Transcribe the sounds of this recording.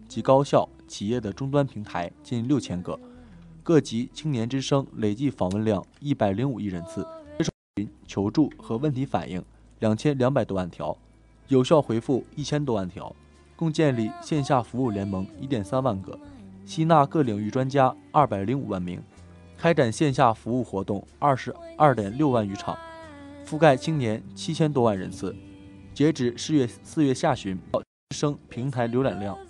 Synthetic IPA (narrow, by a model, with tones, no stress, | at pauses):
t͡ɕi˧˥kɑ˥ʊɕjɑ˥˩ʊt͡ɕʰi˨˩jɛ˥˩d̪ə˩ʈ͡ʂʊ˥ŋt̪wa˥npʰi˧˥ŋt̪ʰa˧˥ɪt͡ɕi˥˧nljo˥˩ʊt͡ɕʰjɛ˥nɡɤ̰˥˧kɤ˥˩t͡ɕi˧˥t͡ɕʰi˥ŋnjɛ˧˥nʈ͡ʂɻ̩˥ʂɤ˥ŋle˨˩ɪt͡ɕi˥˩fɑ˨˩ŋwə˥˧nljɑ˥˧˩ŋi˥˩pa˨˩ɪli˧˥ŋu˨˩i˥˩ɻə˧˥nt͡sʰɹ̩˥˩ʈ͡ʂe˥˧ʂo˥˩i˧˥nt͡ɕʰjo˧˥ʊʈ͡ʂu˥˩xɤ˧˥wə˥˩nt̪ʰi˧˥fa̰˨˩nʔḭ˥˩ŋ | ljɑ˨˩ŋt͡ɕʰjɛ˥nljɑ˧˥ŋp̬a˨˩ɪt̪wɔ˥wa˥˩nt̪ʰjɑ̰˧˥ʊ | jo˨˩ʊɕjɑ˥˩ʊxwe˧˥ɪfu˥˩i˥˩t͡ɕʰjɛ˥nt̪wɔ˥wa˥˩nt̪ʰjɑ̰˧˥ʊ | kʊ˥˧ŋt͡ɕjɛ˥˧nli˥˩ɕjɛ˥˧nɕja˥˩fu˧˥u˥˩ljɛ˧˥nmɤ˧˥ŋi˧˥t̪jɛ˨˩nsa˥nwa˥˧nɡɤ̰˥˩ɕi˥na˥˧kɤ˥˩li˨˩ŋy˥˩ʈ͡ʂwa˥nt͡ɕja˥ɐ˥˩pa˨˩ɪli˧˥ŋṵ˨˩wa˥˩nmḭ˧˥ŋ | kʰa˥ɪʈ͡ʂa˨˩nɕjɛ˥˧nɕ̬ja˥˩fu˧˥u˥˩xwɔ˧˥t̪ʊ˥˩ŋ | ɐ˥˩ʂɻ̩˧˥ɐ˥˩t̪jɛ˨˩nljo˥˧ʊwa˥˩ny˧˥ʈ͡ʂʰɑ̰˨˩˦ŋfu˥˧ka˥˧ɪt͡ɕʰi˥ŋnjɛ˧˥nt͡ɕʰi˥t͡ɕʰjɛ˥nt̪̬wɔ˥wa˥˩nɻə̰˧˥nt͡sʰɹ̩˥˩t͡ɕjɛ˧˥ʈ͡ʂɻ̩˨˩ʂɻ̩˥˧ɥɛ˥˧sɹ̩˥˧ɥɛ˥˧ɕja˥˩ɕy˧˥np̪ɑ˥˩ʊt͡ɕi˥ʂɤ˥ŋpʰi˧˥ŋt̪ʰa˧˥ɪljo˧˥ʊljɑ˨˩ŋljɑ˥˩ŋ